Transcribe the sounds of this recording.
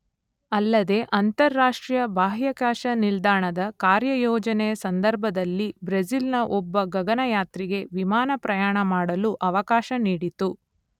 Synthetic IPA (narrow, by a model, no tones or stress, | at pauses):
ɐlːɐd̪e̞ʔɐnt̪ɐɾːaːʂʈɾijɐbʱaːɦjɐkaːʃɐnild̪aːɳɐd̪ɐkaːɾjɐjɔːd͡ʒɐnɛjɐsɐnd̪ɐɾbʱɐd̪ɐlːibɾɐd͡ʒilnɐʔɔbːɐɡɐɡɐnɐjaːt̪ɾiɡe̞ʋimaːnɐpɾɐjaːɳɐmaːɽɐluʔɐʋɐkaːʃɐniːɽit̪u